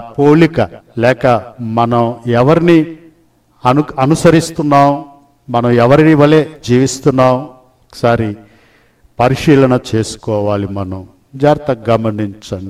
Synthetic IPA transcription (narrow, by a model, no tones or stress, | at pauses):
poːlikɐlɛːkɐmɐnɐmɛʋɐɾini | ɐnuɐnusɐɾist̪unːaːm | mɐnɐmɛʋɐɾiniʋɐle̞ːd͡ʒiːʋist̪unːaːm | okːɐ̥saːɾi | pɐɾiʃiːlɐnɐt͡ʃeːsu̥kɔːʋaːlimɐnɐm | d͡ʒaːɾt̪ɐɡɐmɐniɲt͡ʃɐni